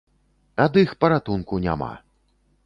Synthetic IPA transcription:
ɐd̪ɨxpɐɾat̪unkunʲa̰ma̰

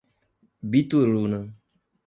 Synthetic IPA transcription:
bituɾunə

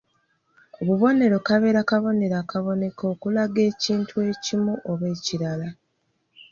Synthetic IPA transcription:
oβuβo̞ne̞ɾo̞kaβe̞ːɾakaβo̞ne̞ɾakaβo̞ne̞ko̞ːkulaɡe̞ːciːntʰue̞ːcimuʔoβe̞ːciɾala

